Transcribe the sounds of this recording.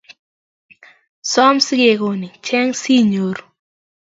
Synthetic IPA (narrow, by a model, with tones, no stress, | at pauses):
sɔ˦msɪ˦ɡe˨ko˨ni˨t͡ʃɛ˦ŋsi˦ɲo˨ɾ